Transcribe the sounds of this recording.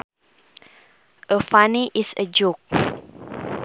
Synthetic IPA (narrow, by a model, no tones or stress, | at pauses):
ʔəfaniʔisə̰d͡ʒuk̚